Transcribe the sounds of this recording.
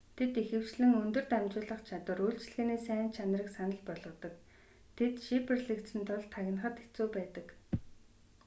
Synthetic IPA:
t̪ʰet̪ixɘ̆wt͡ɕɮɘ̆ŋɵnt̪ɵ̆r̥t̪æmt͡ɕʊːɮə̆χt͡ɕʰat̪wə̆ruɬt͡ɕɮɣɘːniːsæːnt͡ɕʰanrə̆ksanə̆ɮpɔɮʁə̆t̪ə̆k | t̪ʰet̪ʃiperɮikt̪sɘ̆nt̪ʰʊɮt̪ʰːaɣʲɪ̆nχə̆t̪e̥t͡suːpæːt̪ə̆k

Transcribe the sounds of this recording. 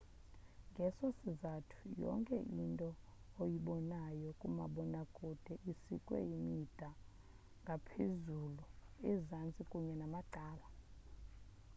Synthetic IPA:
ŋɡʱɛsosizatʰu̥jɔ̰ŋkʼɛ̰ʔintʼɔojiɓɔnajɔkʼuma̰ɓɔnaɡʼʱud̥ʱɛʔisikʼwɛ̰jimid̥ʱa | ŋɡʱapʰezuluizant͡sʼikʼuɲɛnamaǃʱaːla

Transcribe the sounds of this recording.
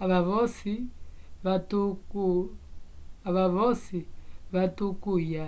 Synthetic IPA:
aβaβɔsiβatuku | aβaβɔsiβatukuja

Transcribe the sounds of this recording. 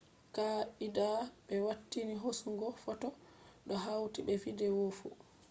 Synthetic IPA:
kaidaɓɛwatːiniɦosuŋɡɔfɔtɔ | ɗɔɦawtibɛfidɛwofṵ

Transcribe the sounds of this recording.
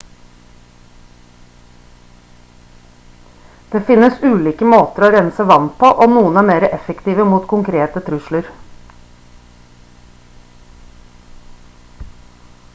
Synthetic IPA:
d̪̥eːfɪnːəsʉːliːkəmoːt̪əɾoːɾɛnsəʋɑnpʰoːʔoːnuːənæːmeːɾəʔɛfɛkt̪iːʋəmuːt̪kʰʊŋkʰɾeːt̪ət̪ʰɾʉʃləɾ

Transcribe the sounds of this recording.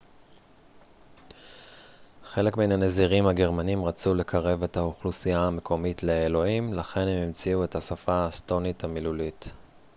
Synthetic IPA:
χe̞le̞kmenane̞ziʁimhaɡe̞ʁmanimʁat͡sule̞kʰaʁe̞ve̞thauχlusiaːme̞kʰo̞mitle̞ːlo̞imlaχe̞nhemimt͡siue̞thasafaːsto̞nithamilulit

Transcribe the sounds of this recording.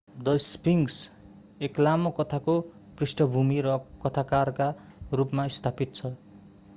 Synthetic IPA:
d̪ʌjspiŋs | eklamokʌt̪ʰako | prisʈʌbʱumiɾʌkʌt̪ʰakarka | rupmaist̪ʰapit̪̚t͡sʰʌ

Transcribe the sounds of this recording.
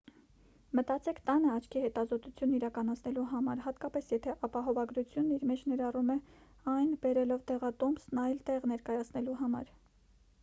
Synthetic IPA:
mət̪ɑt͡sɛkʰt̪ɑnəɑt͡ʃʰkʰihɛt̪ɑzɔt̪ut͡sʰjunːiɾɑkɑnɑt͡sʰnɛluɦɑmɑɾɦɑt̪kɑpɛsjɛt̪ʰɛʔɑpɑɦɔvɑɡɾut͡sʰjunːiɾmɛt͡ʃʰnɛɾɑrumɛ | ɑjnbɛɾɛlɔvd̪ɛʁɑt̪ɔmsnɑjlt̪ɛʁnɛɾkɑjɑt͡sʰn̪ɛluɦɑmɑ̰ɾ

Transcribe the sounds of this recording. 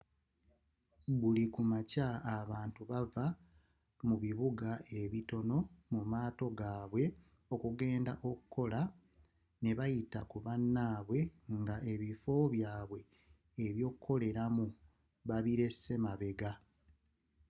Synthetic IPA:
βulikumacaːβaːntuβava | muβiβuɡaʔe̞βito̞no̞mumaːto̞ɡaːβwe̞ | o̞kuɡe̞ːndaʔo̞kukːo̞la | ne̞βajitakuβanːaːβwe̞ŋɡaʔe̞βifo̞βjaːβwe̞ː | βjo̞ːkuko̞le̞ɾamu | βaβiɾe̞se̞maβe̞ɡa

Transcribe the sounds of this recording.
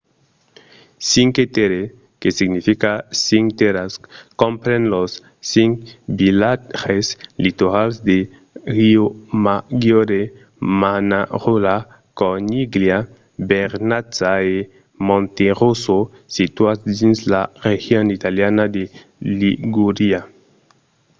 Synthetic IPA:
siŋket̪eɾe | kesiɡnifikasiŋt̪eɾaskompɾenlos | siŋbilaʁeslit̪oɾalsd̪e | ɾiomaɡjoɾe | manaʁula | koniɡlja | beɾnat͡sae | mõnt̪eʁuso | sit̪wasd̪inslarexjonit̪aljanad̪e | liɡuɾia

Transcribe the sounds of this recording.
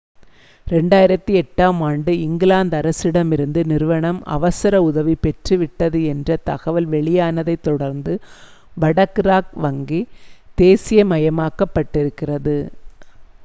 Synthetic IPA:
ɾɛɳɖaːjɪɾɐt̪ːiɛʈːaːmaːɳɖɯɪŋɡɪlaːnd̪ɐɾɐsɪɽɐmɪɾɯnd̪ɯnɪɾɯʋɐɳɐmɐ̰ʋɐsɐɾɐʊðɐʋipɛʈrɯʋɪʈːɐðɯɛndrɐt̪ɐɣɐʋɐlʋɛɭɪjaːnɐðɐɪt̪ːɔɽɐɾnd̪ɯ | ʋɐɽɐkɾaːk̚ʋɐŋɡid̪̥eːsɪjɐmɐjɐmaːkɐpːɐʈːɪɾɯkːɪrɐðɯ

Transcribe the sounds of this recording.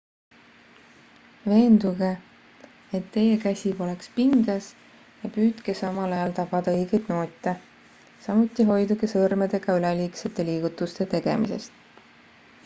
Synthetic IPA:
ve̞ːnd̪̥uɡ̥e | et̪ːe̞je̞kæsʲibo̞lekspiŋɡ̥ɑs | jɑpyːt̪ke̞sɑmɑlɑjɑlt̪ɑb̥ɑd̪̥ɑɤjɡ̥ejd̪̥no̞ːt̪ʲːˑe | sɑmut̪ːˑiɦo̞jd̪uɡesɤrmed̪̥e̞ɡ̥ɑyleliːkset̪ːˑe̞liːɡ̥ut̪ːˑust̪e̞t̪e̞ɡ̥e̞mḭse̞̰st̪

